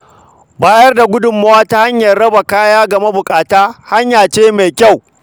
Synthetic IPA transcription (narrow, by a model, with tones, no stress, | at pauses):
baː˦jɐ˦rda˨ɡʷʊ˦dʊ˨mːa˦waː˦ta˦ha˦ɲjɐ˨rɽɐ˦ba˨kaː˦jaː˦ɡɐ˨me˦bʊ˨kʼaː˨taː˦ha˦ɲjaː˨t͡ʃeː˦ma˨jkʲa˦˨w